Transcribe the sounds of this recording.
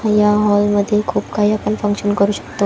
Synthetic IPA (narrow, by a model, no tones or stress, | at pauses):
ãjaɦɔlməd̪ʱːjekʰuːbkʰaiapənfə̃ŋkɕənkəɾuːɕə̥kt̪o